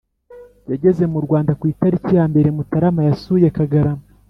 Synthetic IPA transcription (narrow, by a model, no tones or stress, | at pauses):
jaɟe̞ze̞muɾɡwaːndakwiːtaɾicijaːmbe̞ɾemutaɾamajasuːje̞kaɡaɾama